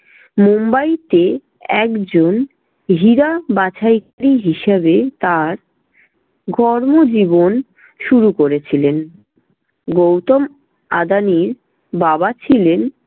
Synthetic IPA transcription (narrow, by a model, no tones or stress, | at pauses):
mombajt̪e | ɛkd͡ʑon | ɦiɾabat͡ɕʰajkaɾiɦiʃeβet̪aɾ | ɡʱɔɾmod͡ʑibon | ʃuɾukoɾet͡ɕʰilen | ɡowt̪om | a̰d̪aniɾ | babat͡ɕʰilen